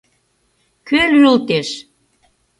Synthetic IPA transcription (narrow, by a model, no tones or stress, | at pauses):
kølyult̪eʃ